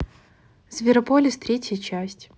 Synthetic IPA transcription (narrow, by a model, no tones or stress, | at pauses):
zvʲɪɾɐpolʲɪst̪ɾʲetʲjət͡ɕæsʲtʲ